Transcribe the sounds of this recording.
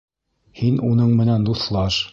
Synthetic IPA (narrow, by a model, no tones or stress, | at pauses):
hinunɤɴmɘ̆nænd̪uθlˠɑʃ